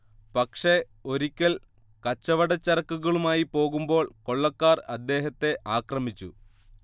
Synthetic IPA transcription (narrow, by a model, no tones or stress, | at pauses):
pɐkʂe̞ | o̞ɾikʲːɐl | kɐt͡ɕːɐʋɐɽɐt͡ɕːɐrɐkːuɣɐɭumaːjipo̞ːɣumbo̞ːɭko̞ɭːɐkːaːrɐd̪ːe̞ːɦɐt̪ːe̞ʔaːkrɐmit͡ɕːu